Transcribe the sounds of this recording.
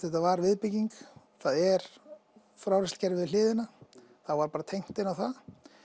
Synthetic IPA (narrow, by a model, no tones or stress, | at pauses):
θɛht̪avaɾvɪðpɪciŋk | θaðɛɾ̥ | fɾawɾɛscɛɾɪðlɪːðɪna | θavaːɾpaːɾat̪ʰejŋ̥t̪ɪnawθað